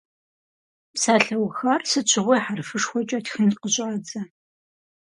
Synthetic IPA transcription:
psaːɬɐwxɐrsɨt͡ɕʷʰɪʁʷɔjħarfɨʂxʷɔt͡ʃʼɐtxɨntqəɕʼʕad͡zɐ

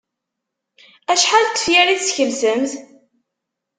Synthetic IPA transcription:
æʃħalt̪ːə̥fjæɾiθsçəlzəmθ

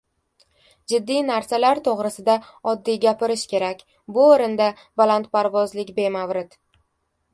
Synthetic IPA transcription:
d͡ʒɪd̪ːijnaɾsalaɾt̪ʰoʁɾɪsɪd̪aɒd̪ːijɡʲapɪɾɪʃkʲʰe̞ɾakʲ | bʊoɾɪnd̪a | balant̪pʰaɾvɒzlɪkʲbe̞mavɾɪd̪̥

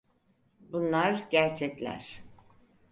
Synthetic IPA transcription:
bunlˠaɾɟæɾt͡ʃʰɛclʲæ̰ɾ̥

